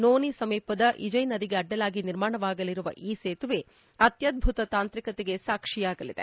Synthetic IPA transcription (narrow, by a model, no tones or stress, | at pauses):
noːnisɐmiːpɐd̪ɐʔid͡ʒɐjnɐd̪iɡe̞ɐɖːɐlaːɡiniɾmaːɳɐʋaːɡɐliɾuʋɐ̰ʔiːseːt̪uʋe | ɐt̪jɐd̪̚bʱut̪ɐt̪aːnt̪ɾikɐt̪eɡe̞saːkʂijaːɡɐlid̪e̞̰